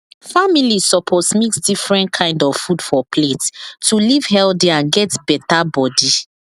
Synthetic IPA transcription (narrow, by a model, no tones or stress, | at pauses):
familisɔpʰɔsmeksdifɹɛ̃ntkʰãɪ̃ndɔv̥fud̥fɔpʰlettuliv̥hɛldiãnɡɛtb̥ɛtabɔdi